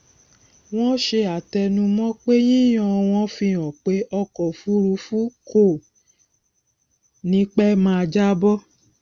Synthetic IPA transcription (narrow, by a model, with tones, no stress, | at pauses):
w̃ɔ̃˦ʃe˧a˨tɛ˧nũ˧˦mɔ̃˦k͡pe˦j̃ĩ˦j̃ɔ̃˧w̃ɔ̃˧˦fĩ˧ɔ̃˨k͡pe˨˦ɔ˧kɔ˨fu˨˦ɾu˨˧˦fu˦kʰo˦˨ | nĩ˦k͡pɛ˦mãː˦˧d͡ʒa˦bɔ˦